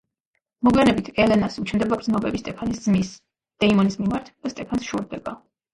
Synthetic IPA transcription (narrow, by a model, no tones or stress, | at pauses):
mɔɡwlɛnɛbit̪ʰɛlɛnasut͡ʃʰmd̪ɛbakʼɾd̪zmɔbɛbist̪ʼɛpʰanisd̪zmis | d̪̥ɛimɔnismimaɾt̪ʰd̥̪ast̪ʼɛpʰansʃɔɾd̪ɛba